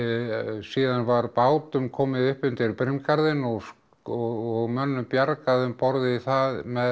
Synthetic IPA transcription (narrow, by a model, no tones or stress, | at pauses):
siːðanvaɾpaːwt̪ʏmkʰɔːmɪðʏhpʏnt̪ɪɾpɾɪmkaɾðɪnɔɣs | ɔɔɣmœnːʏmpjaɾkaðʏmpɔɾðɪiθaðmɛð